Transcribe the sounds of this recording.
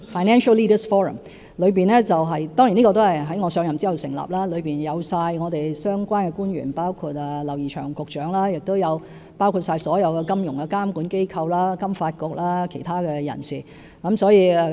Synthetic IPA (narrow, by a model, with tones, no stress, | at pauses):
faː˨jnɛː˥nʃɐ˥liː˥də˨sfɔː˥ɹɐ̰˨m | lɵ˨˧ɥpiː˨˩nɛ˥t͡sɐ˨wɦɐ˨jt̪ɔː˥ŋji˨˩niː˥kɔ˧t̪o˥hɐ˨jɦɐ˨˥jŋɔː˨˧sœː˧ŋjɐ˨mt͡si˥hɐ˨˩wsɪ˨˩ŋla̰ː˨˩p̚laː˥lɵ˨˧ɥpiː˨njɐ˨˧wsaː˧jŋɔː˨˧t̪e˨jsœː˥ŋkʷwaː˥nkɛ˧kuː˥njy̰ː˨˩npaː˥wkʰuː˧t̚ɐ˨lɐ˨˩wjiː˨˩t͡ʃʰœ̰ː˨˩ŋkʊ˨k̚t͡ʃœː˨˥ŋlaː˥jɪ˨k̚t̪o˥wjɐ˨˧w | paː˥wkʰu˧t̚saː˧jsɔː˨˥jɐ˨˧wkɛː˧kɐ˥mjʊ˨˩ŋkɛ˧kaː˥mkuː˨˥nke˥jkʰɐ˧wlaː˥kɐ˥mfaː˧t̚kʊ˧k̚laː˥kʰe˨˩jt̪ʰaː˥kɛː˧jɐ̰˨˩nsiː˨˩ | kɐ˨˥msɔː˨˥jiː˨˧ɛ˨˧